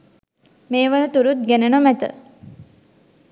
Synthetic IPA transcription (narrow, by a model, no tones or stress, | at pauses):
meːʋənət̪uɾut̪̚ɡenenomæt̪ə̰